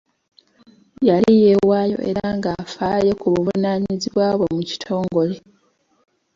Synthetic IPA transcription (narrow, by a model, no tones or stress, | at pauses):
jalije̞waːjo̞̰ʔe̞̰ɾaŋɡafaːje̞kuβuvunaɲiziβwaːβwe̞muci̥tʰo̞ːŋɡo̞le̞